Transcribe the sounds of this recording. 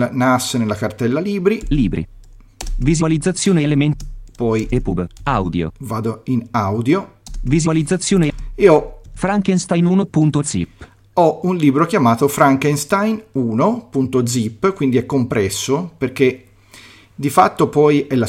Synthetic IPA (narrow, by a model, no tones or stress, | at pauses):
nasːenelːakart̪ɛlːaliːbɾiliːbɾḭ | vizualid̪zːat̪sːjoːnelemenpɔjepubawd̪jo̰vaːd̪oinawd̪jovizualid̪zːat̪sːjoːneeɔfɾaŋkenst̪ajnuːnopunt̪od̪z̥ḭpː | ɔunliːbɾokjamaːt̪ofɾaŋkenst̪ajnuːnopunt̪od̪zipːkwind̪iɛkːompɾɛsːoperk̟e | d̪ifat̪ːopɔjʔɛlːa